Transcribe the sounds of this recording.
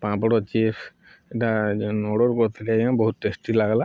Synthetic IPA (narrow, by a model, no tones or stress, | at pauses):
pãpɔɽɔt͡ʃips | eʈanɔɽɔɾkɔɾt̪ʰekiaãbɔɦut̪̚ʈesʈilaɡala